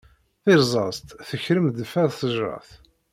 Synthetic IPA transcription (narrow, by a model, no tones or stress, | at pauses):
θɪɾzˤɑzt̪θəçɾəmd̪əfæðθəʒɾɑ̰θ